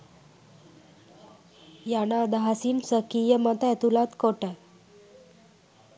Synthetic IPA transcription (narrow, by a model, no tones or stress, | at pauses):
janad̪aɦasiːnsəkijəmət̪ajt̪ulat̪koʈa